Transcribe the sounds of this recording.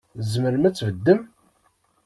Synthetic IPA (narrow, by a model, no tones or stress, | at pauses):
zməɾmæt͡sːvəd̪ːəm